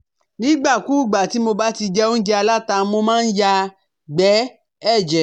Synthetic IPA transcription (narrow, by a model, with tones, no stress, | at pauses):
nĩ˦ɡ͡ba˦˨ku˨˦˨ɡ͡ba˨ti˨˦mo˧ba˦ti˧d͡ʒɛ˦o˦n̩˦d͡ʒɛ˧a˧la˦ta˧˦mo˧mãː˦˧n̩˦ja˦˧ | ɡ͡bɛ˨˦ | ɛ˦˨d͡ʒɛ˨˦